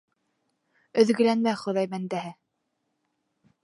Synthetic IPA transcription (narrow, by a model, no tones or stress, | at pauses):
ɵ̆ðɡɘ̆lænmæχŏðɑjmænd̪æɦɘ